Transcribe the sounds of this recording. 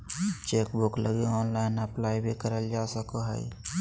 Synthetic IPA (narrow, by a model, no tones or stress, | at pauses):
t͡ʃeːkbʊkləɡeɔːnlaːɪnəplaːibʱikəɾəld͡ʒaːsəkoɦə̰ḭ